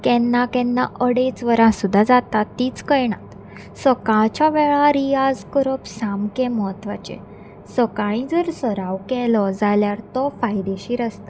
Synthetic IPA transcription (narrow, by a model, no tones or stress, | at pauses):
kɛnːakɛ̃nːaʔəɽet͡sʋəɾãsud̪ʱːad͡zat̪at̪ːiːt͡skəjɳ̃at̪ | səkãɭt͡ɕaʋɛɭaɾijad͡zkəɾəpsamkɛ̃məɦət̪ʋat͡ɕḛ̃ | səkãɭ̃ĩd͡zəɾsəɾaʋkɛlɔd͡zaljaɾt̪ɔfajd̪eɕiːɾəst̪a